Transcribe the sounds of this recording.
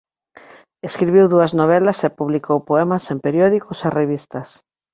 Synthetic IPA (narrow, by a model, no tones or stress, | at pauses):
eskɾiβiwðuɐznoβ̞ɛlɐsepuβlikowpoɛmɐsempeɾjɔðikʊsereβist̪ɐs